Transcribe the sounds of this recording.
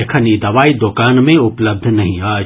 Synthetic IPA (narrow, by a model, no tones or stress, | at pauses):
ekʰənid̪ɐʋaːid̪oːkaːnmẽʊpləb̚d̪ʱnɐɦĩaː